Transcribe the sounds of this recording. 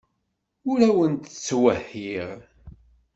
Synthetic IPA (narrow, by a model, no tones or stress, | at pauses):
ʊɾæwənt̪ət͡sːwæhːiʁ